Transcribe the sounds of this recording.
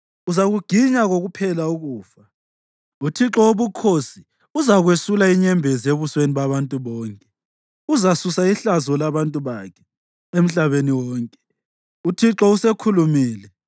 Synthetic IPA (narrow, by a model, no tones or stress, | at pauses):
uzaɣuɡ̥ʱiɲaɣoɣupʰɛlauɣuːfa | utʰiǁɔwoβukʰosi | uzaɣwesulaiɲɛmbʱɛzeβusweniβaβantʼuβɔːŋkʼɛ̥ | uzasusaiɬazɔlaβantʼuβakʰɛ̥ | em̩ɬaβeniwɔːŋkʼɛ̥ | utʰiǁɔusekʰulumiːlɛ